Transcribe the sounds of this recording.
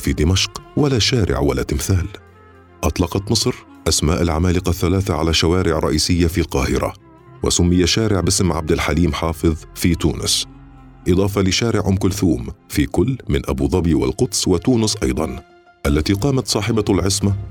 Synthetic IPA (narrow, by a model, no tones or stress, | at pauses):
fiːd̪ɪmaʃqwalaːʃaːɾɪ̰ʕwalaːt̪ɪmθaːl | ʔɑt̪ˤlɑqɑt̪mɨsˤɾ | ʔasmaːʔalʕamaːlɪqɑθːalaːθaʕa̰laʃawaːɾɪʕɾˤːɑʔiːsɪjːafilqɑːhɪɾa̰ | wa̰sʊmːɪjaʃaːɾɪʕbɪsmʕab̚d̪alħaliːmħɑːfɨðˤfiːt̪uːnʊs | ʔɨd̪ˤɑːfɑlɪʃaːɾɪʕʔʊmkʊlθuːmfiːkʊlːmɪnʔabuːðˤɑbiːwa̰lqʊt̪swat̪uːnʊsʔɑjd̪ˤɑn | ʔalːat̪iːqɑːmat̪sˤɑːħɪbalʕɪsma